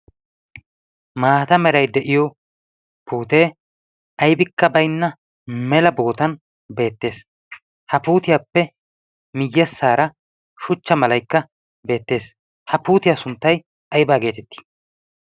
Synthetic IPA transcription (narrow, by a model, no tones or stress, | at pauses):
maːt̪ɐmɛɾɐjd̪ɛʔɪjɔ | puːt̪e̞ː | ʔɐjbɪkːɐbɐjnːɐ | mɛlɐboːt̪ɐn | be̞ːt̪ːe̞ːs | hɐpuːt̪ɪjaːpːɛ | mɪjːɛsːaːɾɐ | ʃʊt͡ʃːɐmɐlɐjkːɐ | be̞ːt̪ːe̞ːs | hɐpuːt̪ɪjasʊnt̪ːɐj | ɐjbaːɡe̞ːt̪ɛt̪ːi̥